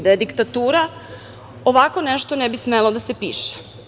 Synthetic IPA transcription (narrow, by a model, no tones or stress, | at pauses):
d̪ed̪ikt̪at̪uːɾa | oʋako̞neʃt̪onɛbismelod̪asepiːʃe̥